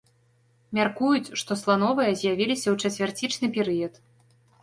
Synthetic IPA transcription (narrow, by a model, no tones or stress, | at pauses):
mʲarkujut͡sʲʂt̪ɔslˠanɔvɨjɐzʲjavʲilʲisʲɐwt͡ʂɐt͡sʲvʲart͡sʲit͡ʂnɨpʲɛɾɨjɐt̪